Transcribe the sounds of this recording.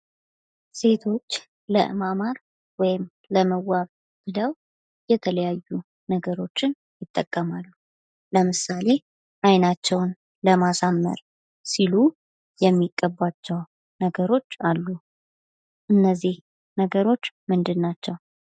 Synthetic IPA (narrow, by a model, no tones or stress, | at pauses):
se̞t̪ʰo̞t͡ʃː | lə̰ʔɨ̰mamaɾ | wɔjɪm | ləməwːaβ | b̥ɨləw | jɛt̪ʰələjajːu | nəɡəɾo̞t͡ʃːɪn | jɪt̪ʼːəkʼːəmalːu | ləmɨsale̞ | ʔajnat͡ʃːɛwn | ləmasamːə̰ɾ | silu | jɛmːiɡʼːəbːat͡ʃːɛw | nəɡəɾo̞t͡ʃːalːu | ʔɨnːəzːih | nəɡəɾo̞t͡ʃːmɨnd̪ɨnːat͡ʃːɛw